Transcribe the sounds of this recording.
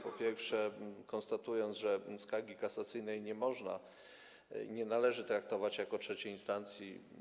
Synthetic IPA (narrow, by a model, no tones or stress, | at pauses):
pɔpʲjɛɾfʂɛkɔñst̪at̪ujɔnʐɛskaɡʲikatsat̪sɘjnɛjɲɛmɔʐna̰ | ɲɛnalɛʐɘt̪ɾak̚t̪ɔvat͡ɕjakɔtʂɛt͡ɕɛjinst̪ant̪sʲji